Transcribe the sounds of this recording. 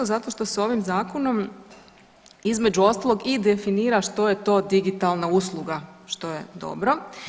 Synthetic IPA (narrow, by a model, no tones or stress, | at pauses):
ozat̪o̞ʃt̪o̞so̞ʋimzaːko̞no̞m | izme̞d͡ʒuo̞st̪alˠo̞ɡid̪efiniːɾaʃt̪o̞jet̪o̞d̪iɡit̪alˠnauːslˠuɡaʃt̪o̞jed̪o̞̰bɾo